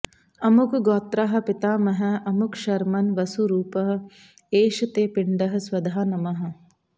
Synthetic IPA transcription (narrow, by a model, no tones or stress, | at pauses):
ɐmʊkɡɔːt̪ɾaːɦɐ̆pɪt̪aːmɐɦəɐmʊkʃɐɾmɐnʋɐsuɾuːpɐɦ̆ | eːʃɐt̪eːpɪɳɖɐɦɐ̆swɐd̪ʱaːnɐmɐɦɐ̆